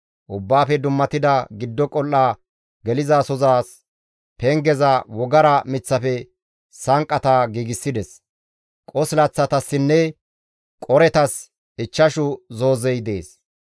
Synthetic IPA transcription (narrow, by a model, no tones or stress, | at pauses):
ʔʊbːaːfɛd̪ʊmːɐt̪ɪd̪ɐɡɪd̪ːɔkʼɔlːaː | ɡɛlɪzasɔzaːs | pɛŋɡɛzɐwɔɡɐɾɐmɪt͡sːɐfɛ | sɐŋkʼːɐt̪aɡiːɡɪsːɪd̪ɛs | kʼɔslɐt͡sːɐt̪ɐsːɪnːɛ | kʼɔɾɛt̪ɐs | ɪt͡ʃːɐʃʊzoːzɛjd̪e̞ːs